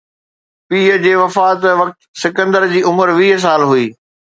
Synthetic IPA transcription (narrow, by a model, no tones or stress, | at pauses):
piːɦəd͡ʑeːʋɐfaːt̪ʋɐk̚t̪sɪkə̃nd̪əɾd͡ʑiːʊməɾʋiːɦs̬aːlɦuiː